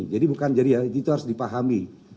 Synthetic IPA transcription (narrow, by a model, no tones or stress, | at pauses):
d͡ʒadibukand͡ʒadijauit̪uɦaɾʊsdipaɦami